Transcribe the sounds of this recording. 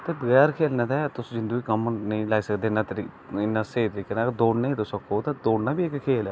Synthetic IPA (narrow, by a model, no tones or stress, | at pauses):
t̪eːbəɣɛːɾkʰeːlnãːt̪ɛːt̪ʊsd͡ʒɪnd̪ũːiːkəmnəĩːlaːiːsəkd̪eːɪnːãːt̪ɾi | ɪnːãːseːt̪əɾiːkenaːkd̪oːɽnəĩːd̪ʊsəkoːt̪eːd̪oːɽnaːbiːekkʰeːlɛː